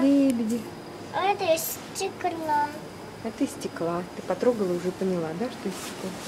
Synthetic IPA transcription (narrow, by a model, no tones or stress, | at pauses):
lʲebʲɪdʲɪ | ət̪əstikːəɾnam | ɛt̪əisʲtʲɪklˠat̪ɨpɐt̪ɾoɡəlˠəʊʐɛpənʲɪlˠad̪aʂt̪oisʲtʲɪ̥klˠa